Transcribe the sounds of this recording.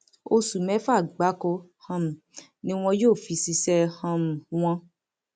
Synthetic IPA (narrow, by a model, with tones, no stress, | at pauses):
o˧su˨mɛ̃˨˦fa˦˨ɡ͡ba˨˦ko˧hã˧m̩˨ | nĩ˦w̃ɔ̃˧joː˦˨fi˧si˧sɛ˧hã˧m̩˨w̃ɔ̃˧